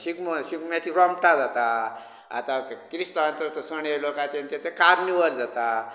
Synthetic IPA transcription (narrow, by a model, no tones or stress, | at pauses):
sikməɕikmjat̪iɾɔmʈad͡zat̪a | a̰t̪akɾist̪aant̪ət̪əsəɳelokãt̪ent̪et̪ʰekaɾniʋəld͡zat̪a